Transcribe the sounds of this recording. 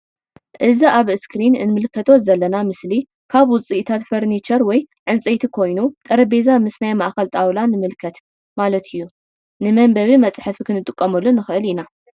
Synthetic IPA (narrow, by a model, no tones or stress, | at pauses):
ʔɨziaβɨskɾinɨ̰nmɨlkʰɐt̪ʰozɐlːɐnamɨsli | kʰaβwʊt͡sʼiʔt̪ʰat̪fɐɾnit͡ʃʰɐɾwɔj | ʕɨnt͡sʼejt̪ʰikʰo̞jnut̪ʼɐɾɐbezamɨsnajmaʔxɐlt̪ʼawlanɨmɨlkʰɐt̪ | malɐt̪ʰɨjːu | nɨmɐmbɐβimɐt͡sʼħɨfikʰɨnɨt̪ʼɨkʼːɐmɐlːunɨxɨʔɨlina